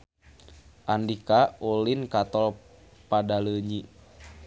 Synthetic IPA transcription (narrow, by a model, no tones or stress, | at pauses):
ʔandikaolinkat̪ɔl | padaləɲi